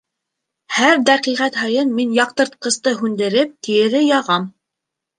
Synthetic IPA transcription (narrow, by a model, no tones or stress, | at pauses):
hæɾd̪æqiʁæt̪ɦɑjɤnminjɑq̚t̪ɤ̆ɾt̪̚qɤ̆st̪ɤɦʉnd̪ɘ̆ɾɘp̚t̪ijɘ̆ɾɘjɑʁɑm